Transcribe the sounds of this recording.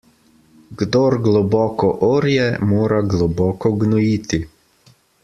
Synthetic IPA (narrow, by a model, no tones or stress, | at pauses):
ɡd̪ɔɾɡlɔbɔːkɔʔoːɾjɛmoːɾaɡlɔbɔːkɔɡnɔjit̪i